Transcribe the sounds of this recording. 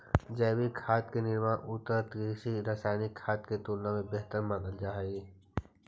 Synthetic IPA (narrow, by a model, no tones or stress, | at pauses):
d͡ʒɛːbikʰaːt̪kenɪɾmaːʔʊt̪əɾt̪iʃiɾasaːɪnikʰːaːt̪ket̪oːlnãmẽbeɦt̪əɾmãːnəld͡ʒaːɦiː